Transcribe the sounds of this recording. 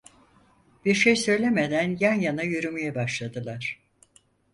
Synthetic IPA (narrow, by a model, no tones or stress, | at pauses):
b̥iɾʃejsø̞jlʲe̞med̪ænjanjanajyɾymijɛbaʃlˠad̪ɯlˠaɾ̥